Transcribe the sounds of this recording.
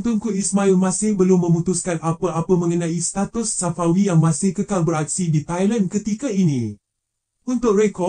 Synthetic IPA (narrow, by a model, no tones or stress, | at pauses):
nt̪ʊnkuismãilmãsɪhbəlumːə̃mũt̪uskanapəʔapəmə̃ŋənãist̪at̪ʊsːafawijaŋmãsɪhkəkalbəɾak̚sidit̪ajlankət̪ikainĩ | unt̪ʊk̚ɾɛkɔ